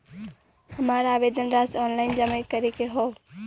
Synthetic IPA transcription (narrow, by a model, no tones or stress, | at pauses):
həmaːɾaːbed̪ənɾasɔːnlaːɪnd͡ʒəməɪkəɾikeɦoː